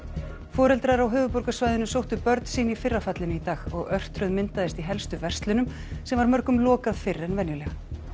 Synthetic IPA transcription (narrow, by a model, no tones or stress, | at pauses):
fɔːɾɛlt̪ɾaɾawɦʏːvʏpɔɾkasvajðɪnʏsowht̪ʏpœɾt̪nsiːnifɪrːafat̪lɪnʏit̪aːɣɔɣœr̥t̪ɾʏðmɪnt̪aðɪst̪iɦɛlst̪ʏvɛr̥st̪lʏnʏm | sɛmvaɾmœɾkʏmlɔːkaðfɪrːɛnvɛnjʏlɛɣ